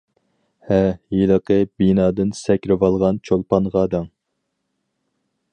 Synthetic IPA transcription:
hɛjilˠəqəbinɑːd̪ɪnsɛkʲɾɪvɑlˠʁɑnt͡ʃʰolˠpɑnʁɑːd̪ɑŋ

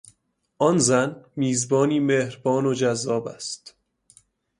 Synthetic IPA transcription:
ʔɒnzænmiːzbɒːniːmehɾbɒːnod͡ʒæzːɒːbæ̰st̪

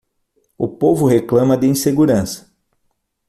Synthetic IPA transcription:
ʊpovʊɦeklɐ̃mɐd̪ɪĩseɡuɾɐ̃sɐ̥

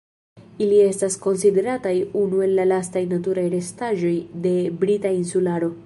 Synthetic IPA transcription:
ilie̞stasko̞nside̞ɾatajunue̞lːalastajnat̬uɾajɾe̞staʒo̞jde̞bɾitainsulaɾo̞

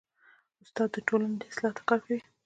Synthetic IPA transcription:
ʊst̪ɑd̪̚ːəʈolaned̪e̥slɑt̪ḁqafi

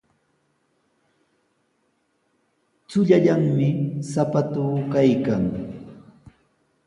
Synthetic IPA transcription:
t͡sʊʎaʎaŋmɪsapat̪uːkajkaŋ

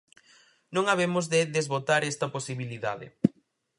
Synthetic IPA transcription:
nõŋaβemʊzðɪðezβot̪aɾɛst̪ɐposiβiliða̰ðɪ̰

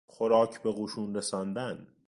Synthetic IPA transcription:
xoɾɒːcʰbe̞ɣuːʃuːnɾesɒːnd̪æn

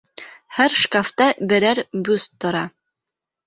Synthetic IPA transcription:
hæɾʃkaft̪ɑbɘ̆ɾæɾbʉst̪ʰːŏɾɑ

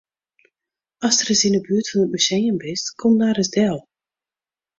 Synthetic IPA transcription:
ɑsdərɪsɪnəbyətfɑnət̚myzejəmbɪstkʰɔmdaːɾəzdɛlˠ

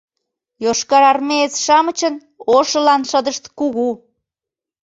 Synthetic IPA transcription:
joʃkɑɾɑrmeet͡sʃɑmət͡ɕən | oʃəlɑnʃəd̪əʃt̪kuɣu

